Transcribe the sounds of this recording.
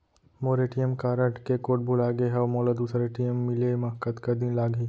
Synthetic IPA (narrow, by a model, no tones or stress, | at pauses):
moːɾeːʈijəmkaːɾəʈkekoːʈ̚bulaːɡeɦɛmoːlɐd̪uːsɾeːʈijəmːɪlemɐɦkət̪kɐd̪ĩnlaːɡiː